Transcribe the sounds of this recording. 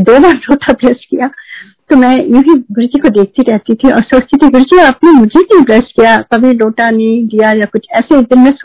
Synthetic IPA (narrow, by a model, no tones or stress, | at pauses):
d̪oːbaːɾloːʈʰabɾeːskijaː | t̪omɛ̃ːjũːɦiɡʊɾd͡ʒikod̪eːk̚ʰt̪iɾɛɦt̪it̪ʰiɔ̰ːɾsɐkst̪it̪ʰiɡʊɾd͡ʒiaːpnemʊd͡ʒʱekɐĩbɾeːskijakɐbʱiloːʈanɐĩd̪ijajakʊt͡ʃʰɛːsed̪ɪnmẽs